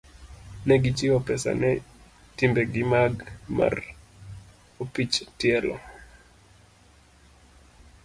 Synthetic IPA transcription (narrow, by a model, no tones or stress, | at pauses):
nɛɡɪt͡ʃɪɔpɛsa̰nɛ | timbeɡɪmaɡma̰r | opit͡ʃtɪɛlɔ̰